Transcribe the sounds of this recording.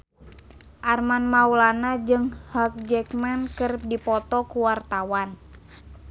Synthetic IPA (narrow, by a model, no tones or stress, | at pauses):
ʔarmanmaulanad͡ʒɨŋhak̚d͡ʒɛkmankərdipɔt̪ɔkuwart̪awan